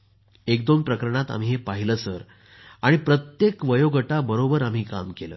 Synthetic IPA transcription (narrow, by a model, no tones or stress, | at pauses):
ekd̪onpɾəkəɾəɳ̃at̪a̰m̤iːɦepaɦiləːsəɾ | aɽ̃ipɾət̪jekʋəjoɡəʈabəɾobəɾam̤iːka̰mkelə̰ː